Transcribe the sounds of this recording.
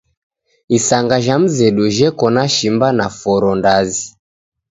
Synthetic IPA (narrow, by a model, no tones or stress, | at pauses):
isaŋɡaʒam̩zɛɗuʒɛkɔnaʃimbanafɔɾɔndazi